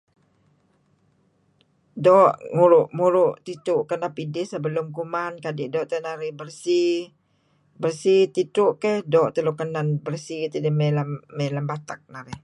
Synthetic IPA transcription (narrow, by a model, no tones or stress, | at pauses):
dɔʔŋuɾʊʔmuɾʊʔt̪it̪ʊʔkənapidɪhsəbəlʊmkumankadɪʔdɔʔt̪ənaɾɪhbərsi | bərsit̪it̪ʊʔkehdɔʔt̪əlokənanbərsit̪ədɪmelamːəlambat̪ak̚naɾɪh